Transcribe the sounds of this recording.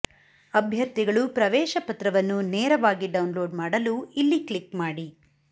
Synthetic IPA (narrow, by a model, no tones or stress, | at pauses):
ɐbʱjɐɾt̪iɡɐɭupɾɐʋɛːʃɐpɐt̪ɾɐʋɐnːuneːɾɐʋaːɡiɖɐwnlo̞ːɖmaːɽɐluilːikɭikmaːɽi